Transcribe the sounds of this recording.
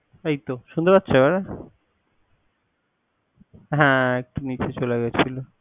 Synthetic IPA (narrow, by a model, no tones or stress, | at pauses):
ejt̪oʃund̪oɾatːɕʰebɛɾe | ɦɛ̃ek̚ʈonit͡ɕet͡ɕoleɡɛt͡ɕʰilo